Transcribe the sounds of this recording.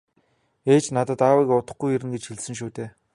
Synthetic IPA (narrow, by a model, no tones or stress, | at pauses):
eːt͡ɕnat̪ə̆t̪aːwikʊt̪ə̆χɡujeɾɘ̆nɡet͡ɕxiɮsɘ̆ŋʃ̬uːt̪eː